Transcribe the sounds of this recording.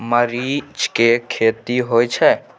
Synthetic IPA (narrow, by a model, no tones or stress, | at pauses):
məɾid͡ʒkekʰeːt̪iɦoːjt͡ʃʰɛ